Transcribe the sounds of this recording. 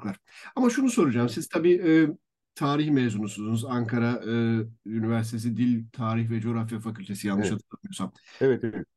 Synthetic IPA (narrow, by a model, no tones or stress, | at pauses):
klˠaɾ̥ | amaʃunuso̞ɾud͡ʒaːmsiz̥t̪ʰabiːɯː | t̪ʰaːɾiçmezunusunuzaŋkʰaɾaɯːynivæɾsi̥t̪ʰe̞s̬id̪ilʲt̪ʰaːɾiçvɛd͡ʒo̞ɾafjafakylʲt̪ʰe̞sijanːˠɯʃat̪ʰɯab̪ijosamevɛt̪eɛt